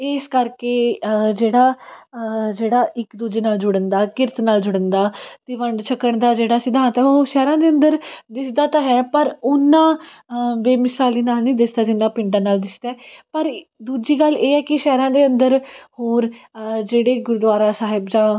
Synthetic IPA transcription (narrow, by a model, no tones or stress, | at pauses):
ɪskəɾkeːd͡ʒeːɽaː | d͡ʒeːɽaːʔɪkd̪uːd͡ʒeːnaːld͡ʒʊɽənd̪aːkɪɾt̪naːld͡ʒʊɽ̃ənd̪aːt̪eːʋəɳɖt͡ʃʰəkːəɳd̪aːd͡ʒeːɽaːsɪd̪ʱãːnt̪ɛʃɛːɾãːd̪eːənd̪əɾd̪ɪsd̪aːt̪ãːɦɛːpəɾʊnːãː | ʋeːmɪsaːliːnaːlnĩːd̪ɪsd̪aːd͡ʒɪnːãːpɪ̃ɳʈãːnaːld̪ɪsd̪aːpəɾd̪uːd͡ʒiːɡəlːeːɛːkɪʃɛːɾãːd̪eːənd̪əɾhoːɾd͡ʒeːɽeːɡʊɾd̪ʋaːɾaːsaːɦɪbd͡ʒãː